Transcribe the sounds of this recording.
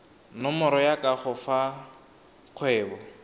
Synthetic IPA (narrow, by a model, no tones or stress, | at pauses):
nɔmʊɾɔjakʼaχʊfa | q͡χʰwɛːbɔ